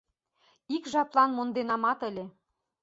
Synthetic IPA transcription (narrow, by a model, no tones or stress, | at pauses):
ikʒɑplˠɑnmond̪enɑmɑt̪ə̆lʲĕ